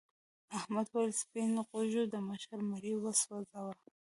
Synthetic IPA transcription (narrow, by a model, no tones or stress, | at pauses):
ahmad̪walspinqoʒud̪əmaʃaɾmaɾiwəswazawa